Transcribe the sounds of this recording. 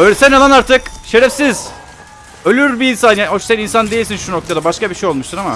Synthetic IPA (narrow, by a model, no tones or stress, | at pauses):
øjlʲɛsænalˠanaɾt̪ʰɯkʃe̞ɾɛfsiz̥ | ø̞lʲyɾbiːnsanjaho̞ʃsæninsand̪e̞jilʲsinʃuno̞k̚t̪ʰad̪abaʃkabiʃejo̞lˠmuʃt̪uɾama̰